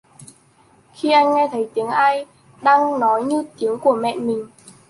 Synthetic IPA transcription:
xi˧ʔa˧jŋŋɛ˧t̪ʰə˨˦jt̪i˨˦əŋʔaː˧j | ɗaː˧ŋnɔ˨˦jɲɨ˧t̪i˨˦əŋku˧˩əmɛ̰˧˨nmï˨˩ŋ̟

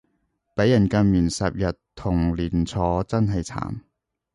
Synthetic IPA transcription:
pe˨˥jːɐ˨˩nkɐ˧nmiː˨˩nsɐ˨p̚jɐ˨tt̪ʰːʊ˨˩ŋliː˨˩nt͡sʰɔː˨˥t͡sɐ˥nɦɐ˨jt͡sʰa̰ː˨˩n

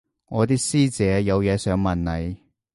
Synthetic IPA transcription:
ŋɔː˨˧t̪iː˥k̚siː˥t͡sɛː˨˧jɐ˨˧wjɛː˨˧sœː˨˥ŋmɐ˨nlɐ˨˧j

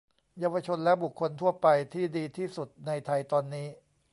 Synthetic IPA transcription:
jaː˧wa˧t͡ɕʰo˧nlɛ˦˥bu˨˩kʰːo˧nt̪ʰu˥˩ɐpa˧jt̪ʰiː˥˩diː˧t̪ʰiː˥˩su˨˩t̪̚na˧jt̪ʰa˧jt̪ɔː˧nːiː˦˥

